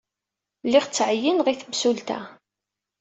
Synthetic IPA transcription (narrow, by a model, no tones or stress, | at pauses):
lːɪʁt͡sːʕəjːənʁiθəmsult̪æ̰